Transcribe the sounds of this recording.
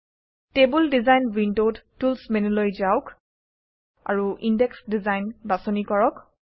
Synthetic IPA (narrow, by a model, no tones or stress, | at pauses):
tebuldizajnɹindowttulsmenulojzaʊk | a̰ɹuʔindɛksdizajnbasɔnikɔɹɔk